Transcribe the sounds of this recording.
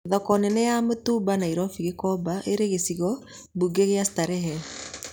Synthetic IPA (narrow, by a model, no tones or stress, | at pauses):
ðɔkɔnɛnɛjamotubanaiɾɔfiɣekɔbaʔeɾeɣesiɣɔ | buɡeɣeasi̥taɾɛɦɛ